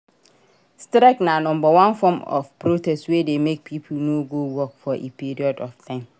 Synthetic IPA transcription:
stɾɛknãnɔ̃m̩bɔwãnfɔ̃mɔ̰fpʰɾotʰɛstwɛːdemek̚pʰip̩ʰnũɡowɔkfɔʔḛpʰiɾiɔdɔftʰãm

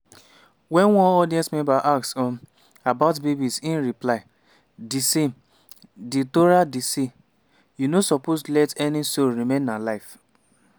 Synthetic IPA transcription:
wɛ̃nwɔ̃nɔdiɛ̃smɛ̃mbaʔaksɔ̃n | abaʊtbebisĩnɾiplaɪ | disem | ditoɾadisi | junosɔposlɛtɛnisoɹimẽnːalaɪf

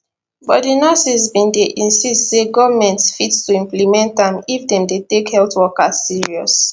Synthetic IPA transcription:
bɔtdinɔsisbĩndeʔĩnsistseɡɔvamɛ̃ntsfitstuĩmplimɛ̃ntãmifdɛ̃mdetekhɛltwɔkazːiɹiɔs

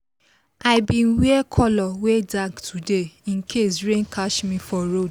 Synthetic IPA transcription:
aibĩn̩wiɛkʰɔlɔwedaɡtʰudeĩn̩kʰesɾẽnkʰaʃmĩfɔɾod

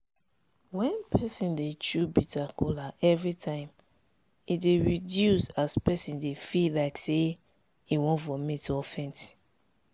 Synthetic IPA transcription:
wɛ̃npʰɛsĩndet͡ʃubitʰakɔlaʔɛvɹitʰãɪ̃m | ideɹidjusaspɛsĩndefilaɪkse | iwõnfɔmitɔfɛ̃nti̥

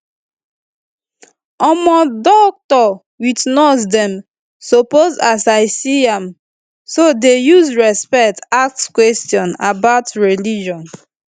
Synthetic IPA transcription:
ɔmɔdɔk̚tɔ | witnɔsdɛ̃m | sopozasaɪsiãm | sodejuzɹɛspɛktak̚skwɛstjɔ̃nabaʊtɹɛlid͡ʒɔ̃n

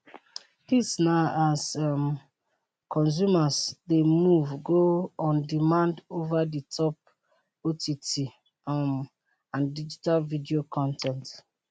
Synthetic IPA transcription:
disnaasɔm | kʰɔ̃ns̬umasdemuvɡoɔ̃ndimãndovaditʰɔp̚ | otʰiti | m | ãndid͡ʒitalvidiokʰɔ̃ntʰɛ̃nt

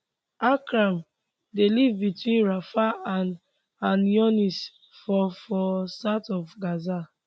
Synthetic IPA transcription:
akɾãm | delivbitwĩnɹafaan | ãnjɔnis | fɔfɔsatɔfɡaza

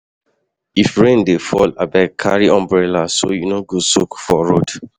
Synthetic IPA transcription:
ifɹẽndefɔlabakʰa̰ɹiʔɔ̃mbɹɛlaso̰junoɡusukfɔɹod

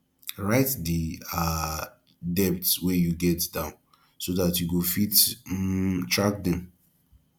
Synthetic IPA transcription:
ɹaɪtdia | dɛp̚tswejuɡɛtdãʊ̃n | sodatjuɡofit | tɹak̚dɛ̃m

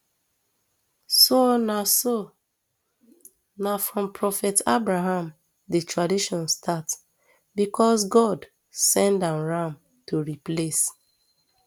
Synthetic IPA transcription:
sonaso | nafɹɔ̃mpʰɹɔfɛtabɹaɦãm | detʰɹadiʃɔ̃nstʰat | bikɔsɡɔd | sɛ̃ndãnɹãm | toɹiples

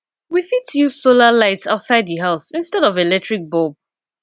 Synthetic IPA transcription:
wifitjusolalaɪtsa̰ʊtsaɪd̚ðəɦaʊsĩnstɛɾɔvelɛk̚tʰɹik̚bɔb̚

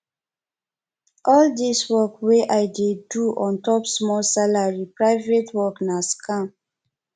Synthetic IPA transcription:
ʔɔldiswɔkweʔajdeduʔɔ̃ntɔpsmɔlsalaɹipɹaɪvetwɔknaskʰã

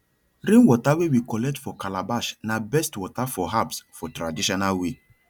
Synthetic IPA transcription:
ɾẽnwɔtawewikɔlɛk̚tfɔkalabaʃnabɛstwɔtafɔɦapsfɔtɾadiʃɔnalwe

